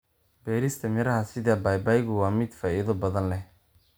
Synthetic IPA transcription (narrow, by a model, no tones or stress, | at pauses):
b̥ɛːɾɪst̪ʰɐmɛɾɐɦɐsɪðaːbaːjbaːjɣʊwɑːmɪd̪faːʔɪðɔbɐðɐnlɛh